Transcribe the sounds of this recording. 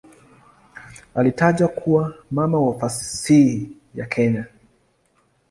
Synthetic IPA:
alitaʄakʰuwamamawafasii | jakʰɛɲa

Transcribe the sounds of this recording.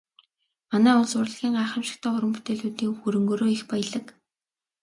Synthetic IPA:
manæːʊɮsʊrɮə̆ɣʲiːŋɢaːχə̆mʃɪ̥̆k̚t̪ʰæːχʊɾə̆mpu̥t̪eːɮuːt̪iːŋxuɾɵ̆ŋɡoːɾoːixpæj̆ɮə̆k

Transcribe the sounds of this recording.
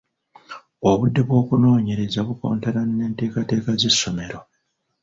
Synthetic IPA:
oβudːeβwo̞ːkuno̞ːɲe̞ɾezaβuko̞̰ːntaɾanːe̞ːnte̞ːkate̞ːkaze̞sːo̞me̞ɾo̞

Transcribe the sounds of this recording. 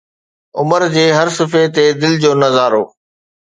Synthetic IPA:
ʊ̰məɾd͡ʑeːɦɐɾsɪfet̪ed̪ɪld͡ʑoːnɐzaːɾoː

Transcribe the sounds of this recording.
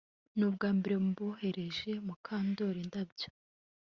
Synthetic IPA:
nuːbɡaːmbeɾe̞muβohe̞ɾe̞ʒe̞mukʰaːndo̞ɾindabɟo̥

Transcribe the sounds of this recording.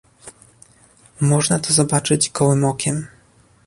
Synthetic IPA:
mɔʐnat̪ɔzɔbat͡ʂɘt͡ɕɡɔwɘmɔkʲɛm

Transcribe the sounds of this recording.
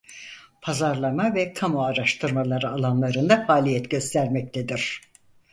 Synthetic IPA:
pʰazaɾlˠamavɛkʰamoaɾaʃt̪ʰɯɾmalˠaɾɯalˠanlˠaɾɯnd̪afaːlʲijɛt̪ɟø̞st̪ʰæɾmɛc̚t̪ʰed̪iɾ̥

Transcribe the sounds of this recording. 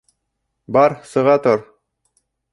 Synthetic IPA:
bɑɾsɤ̆ʁɑt̪oɾ

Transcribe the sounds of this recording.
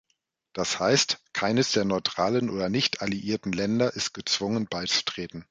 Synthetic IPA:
d̥ashaɪstkʰaɪnəsd̥eːɐnɔʏtʁ̥aːlənoːdɐnɪçtʰaliʔiːɐtn̩lɛndɐʔɪst̚ɡ̥ət͡sv̥ʊŋənbaɪt͡su̥tʁ̥eːtn̩

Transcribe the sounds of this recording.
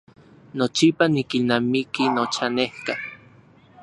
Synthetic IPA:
not͡ʃipanikinamikinot͡ʃanehka

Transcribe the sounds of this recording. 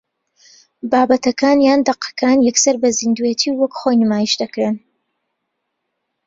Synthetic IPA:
baːbɐt̪ɐkaːnjaːnd̪ɐqɐ̥kʰaːnjɐksɐɾbɐzind̪uet̪ʰiwwɐkχojnɨmaːjiʃd̪ɐkɾen

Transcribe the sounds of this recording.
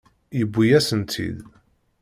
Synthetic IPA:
jəbʷːijæsənt̪ʰḭd̪

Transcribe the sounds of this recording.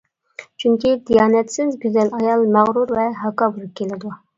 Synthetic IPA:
t͡ʃʰyŋkʲid̪ijɑːnɛt̪sɪzɡʲyzɛlɑjɑlˠmæʁɾuɾvɛɦɑkɑːbuɾˠɨp̚kʲʰelɪd̪u

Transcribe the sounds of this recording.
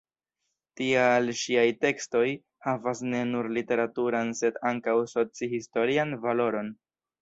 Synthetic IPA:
tialʃiajte̞ksto̞j | havasne̞nuɾlite̞ɾatuɾanse̞daŋkawso̞t͡sihisto̞ɾianvalo̞ɾo̞n

